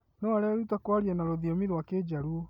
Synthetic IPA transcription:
nɔaɾɛaɾutakwaɾiɛnaɾoðiomiɾwaked͡ʑaɾuo

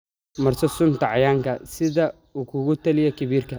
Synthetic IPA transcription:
mɐrsɔsʊnt̪ʰɐʕɑjaːŋkʰɐsɪðɐ | uːkʰʊɣʊt̪ʰɐlɪjɛkʰɪβiːrkʰɐ

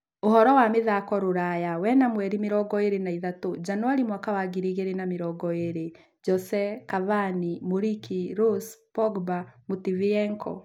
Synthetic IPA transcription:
ohɔɾɔwameðakɔɾoɾajawɛnamwɛɾimeɾɔɡɔeɾenaiðatod͡ʒanwaɾimwakawaɡiɾiɣeɾenameɾɔɡɔeɾe | d͡ʒɔsɛkavanimoɾikiɾospɔɡbamutiviɛŋkʰɔ̰

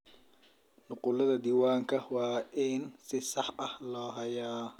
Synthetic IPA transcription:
nʊqʊlɐðɐd̪iːwaːŋkʰɐwɑːʔɪnsɪsɑħɐhlɔːɦɐjaː

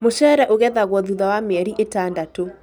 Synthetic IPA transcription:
moʃɛɾɛʔoɣɛðaɣwɔðuðawameɛɾiʔetaːndato

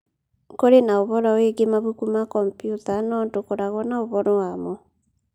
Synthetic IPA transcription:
koɾenaoβɔɾɔweɡemaβukumakɔmpjutanɔːntokoɾaɣɔnaoβɔɾɔwamɔ

